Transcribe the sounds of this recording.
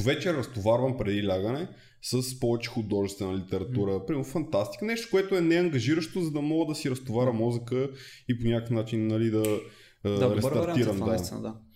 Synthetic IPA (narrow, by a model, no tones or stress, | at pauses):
vɛt͡ʃɛɾɐst̪ovaɾvəmpɾɛd̪ilʲaɡənɛ | səspɔvɛt͡ʃɛ̥xʊd̪ɔʒɛst̪vɛnəlit̪ɛɾɐt̪uɾəpɾimɛɾnʊfɐnt̪ast̪i̥kənɛʃt̪o̥kʊɛt̪ʊɛnɛɐŋɡɐʒiɾəʃt̪ozɐd̪ɐmɔɡəd̪ɐsiɾɐst̪ovaɾəmɔzəkəiponʲakəfnat͡ʃinːɐlid̪ɐ | d̪aɾɛɾɾiɾɐmd̪aa̰d̪a